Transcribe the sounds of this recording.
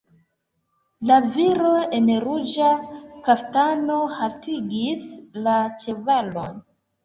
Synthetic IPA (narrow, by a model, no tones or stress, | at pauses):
laviɾo̞enɾud͡ʒakaftano̞haltiɡislat͡ʃe̞valo̞n